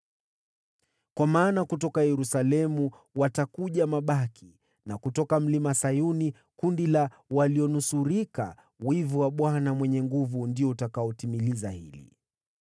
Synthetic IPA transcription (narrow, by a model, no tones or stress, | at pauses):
kwamaːnakutɔkajɛɾusalɛmu | watakuʄamaɓakʰi | nakutɔkam̩limasajuni | kundila | waliɔnusuɾika̰ | wivuwaɓwanamwɛɲɛŋɡuvundiɔutakaɔtimilizahilḭ